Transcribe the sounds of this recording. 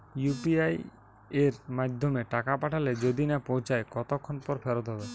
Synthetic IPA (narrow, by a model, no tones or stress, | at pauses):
jupiaj | eɾmad̪ʱomeʈakapaʈʰaled͡ʑod̪inapowt͡ɕaekɔt̪okʰːonpɔɾfɛɾot̪ɦɔbe